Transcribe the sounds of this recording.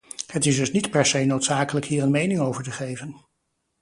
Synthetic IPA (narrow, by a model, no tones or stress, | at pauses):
hətɪsdɵsnitpɛɹsejnowtsaːkələkɦiːɹənmejnɪŋowvəɹtəχejvən